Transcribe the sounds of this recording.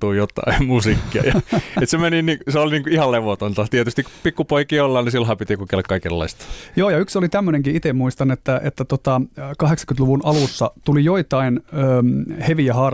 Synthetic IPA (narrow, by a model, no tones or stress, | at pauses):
uːjot̪ːˑɑ̰immusiːkːiɑ̰jɑet̪semeniniːkseolniːŋkuihɑlleʋot̪ont̪ɑt̪iet̪yst̪iku̥pikːupoikiːolːɑːnnisilhɑːpit̪ikukelækkɑikelːɑ̰ist̪joːjɑyksolit̪æmːøneŋkiit̪emuist̪ɑnet̪ːæʔḛt̪ːæt̪ot̪ɑkɑheksɑ̥kynluʋunʔɑlusːɑt̪ulijoit̪ɑinøːheʋiæhɑːr